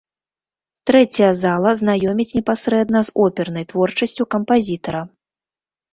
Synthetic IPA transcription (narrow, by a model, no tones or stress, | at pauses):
t̪ɾɛt͡sʲɐjɐzalˠɐznajɔmʲit͡sʲnʲɛpasɾɛd̪nɐzɔpʲɛrnɐjt̪vɔrt͡ʂɐsʲt͡sʲukɐmpazʲit̪ɐɾɐ